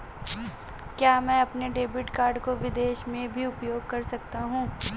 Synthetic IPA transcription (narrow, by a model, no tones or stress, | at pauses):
kjaːmɛ̃ːɐpneɖeːbɪʈkaːɾɖkoʋɪd̪eːʃmẽbʱiʊpjoːɡ̚kɐɾsɐk̚t̪aɦũː